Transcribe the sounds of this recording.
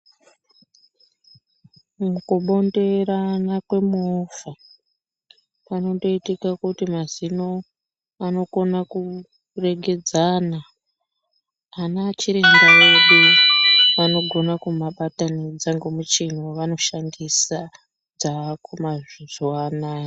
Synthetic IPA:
mukoɓo̞nde̞ɾanakwe̞mofa | pano̞ndo̞itikakutimazino̞ | ano̞ko̞naku | re̞ɡʱe̞d͡zaːna | nat͡ʃiɾeŋɡaeɗu | ʋano̞ɡʱo̞nakumaɓatanid͡zaŋɡemut͡ʃin̤oʋano̞ʃandisa | d͡zakʰumaʐizoanaː

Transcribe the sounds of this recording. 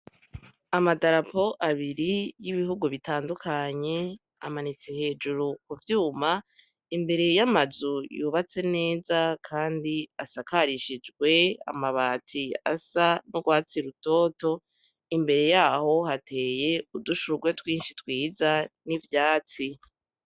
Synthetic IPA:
amadaɾapo̞ʔaβiɾijiβiɦuɡuβitaːndukʰaɲe̞ | a̰manit͡se̞he̞ːd͡ʒuɾukuvjuːma | imbe̞ɾe̞jamazujuβat͡se̞ne̞ːzakʰaːndiasakaɾiʃid͡ʒɡwe̞a̰maβaːtʰia̰sanoɡwaːt͡siɾuto̞ːto̞ | imbe̞ɾe̞jaːho̞hatʰe̞ːje̞uduʃuɡwe̞twiːnʃitwiːzanivjaːt͡si

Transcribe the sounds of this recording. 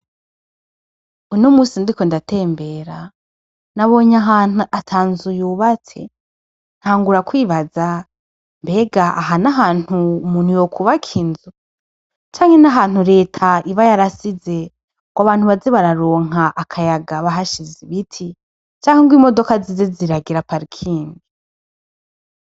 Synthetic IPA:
unomuːsindiko̞ndate̞ːmbe̞ːɾa | naβo̞ɲaɦaːnuatʰaːnzujuːβat͡se̞̰ | n̥haːŋɡuɾakwiːβaza | mbe̞ːɡaaɦanaɦaːn̥huːmuːn̥hujo̞kʰuβakʰinzu | t͡ʃaːŋhe̞naɦaːn̥huɾe̞ːtʰaiβajaɾasize | ɡ̥waβaːn̥uβaziβaɾaɾoːŋ̥aʔakʰajaɡaβaɦaʃiziβitʰi | t͡ʃaːŋ̥eŋɡwiːmo̞do̞kazizeziɾaɡiɾapaɾikʰiːndi

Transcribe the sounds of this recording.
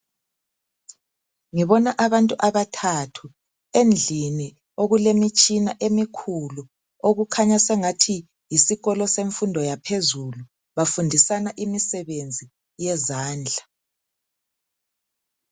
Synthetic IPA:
ŋiβɔnaʔaβantʼuʔaβatʰatʰu | end͡ɮʱini | oɣulemit͡ʃʼinaʔemikʰulu | oɣukʰaɲasɛŋatʰi | jisiɣɔlɔseɱfundʱɔjapʰezulu | βafundʱisanaʔimisɛβend͡zʱi | jɛzaːnd͡ɮʱa

